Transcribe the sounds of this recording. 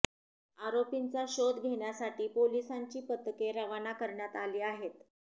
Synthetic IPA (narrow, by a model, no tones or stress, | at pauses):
aɾopint͡saɕod̪ɡʱeɳjasaʈiːpolisaɲt͡ɕiːpət̪ːkeɾəʋanakəɾɳjat̪aliːaɦet̪